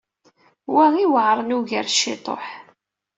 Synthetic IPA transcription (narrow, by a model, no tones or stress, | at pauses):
wæʁiwəʕɾˤənuʝəɾʃːɪt̪ˤo̰ħ